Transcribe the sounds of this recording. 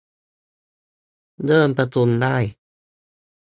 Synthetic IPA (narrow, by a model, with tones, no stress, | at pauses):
dɤː˥˩mpɾa˧t̪u˧ndaː˥˩j